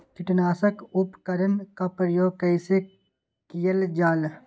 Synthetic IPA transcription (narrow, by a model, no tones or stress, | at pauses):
kɪʈnaːsəkʊpkɐɾənkapɾəjoːɡ̚kɐɪse | kɪjəld͡ʒaːl